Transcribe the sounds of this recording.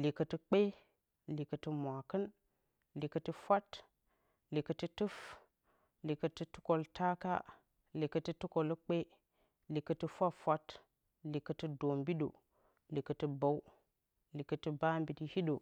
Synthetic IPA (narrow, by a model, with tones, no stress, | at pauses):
li˨kə˨ti˨k͡pe˦ | li˨kə˨ti˨mʷ˨a˨kə˦n | li˨kə˨ti˦fʷa˦t | li˨kə˨ti˦tu˦f | li˨kə˨ti˦tu̥˦ko˨lta˦ka̰˦ | li˨kə˨ti˦tu˦ko˨lə˦k͡pe˦ | li˨kə˨tɨ˦fʷa˦ffʷa˦t | li˨kə˨tɨ˦do˨mbi˦ɗo̰˨ | li˨kə˨ti˦ba˨w | li˨kə˨ti˦ba˦mbi˨di˦hi˦do˨